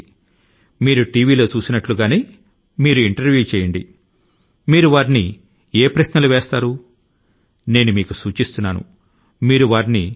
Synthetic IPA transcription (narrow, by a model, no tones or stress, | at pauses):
miːɾuʈiːʋiːlo̞ːt͡ʃuːsinɐʈluɡaːniː | miːɾuiɳʈɐɾʋjuːt͡ʃɛːjɐɳɖḭ | miːɾuʋaːɾini | eːpɾɐʃnɐluʋeːst̪aːɾu | ne̞ːnumiːkusuːt͡ʃist̪unːaːnṵ | miːɾuʋaːɾini